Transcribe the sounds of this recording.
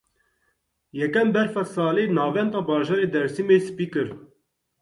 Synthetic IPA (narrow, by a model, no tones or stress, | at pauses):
jɛkɛmbɛɾfɛsɑːleːnɑːvɛnt̪ɑːbɑːʒɑːɾeːd̪ɛɾsimesɨ̥piːkɨɾ